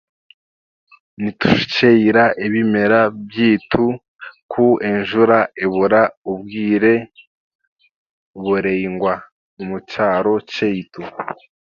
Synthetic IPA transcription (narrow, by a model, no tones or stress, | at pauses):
nitu̥ʃt͡ʃeiɾaʔeβime̞ɾabjiːtʰu | kʰuenʒuɾaeβuɾaubɡiːɾe̞ | βuɾeiŋɡwa | umut͡ʃaːɾo̞t͡ʃeitu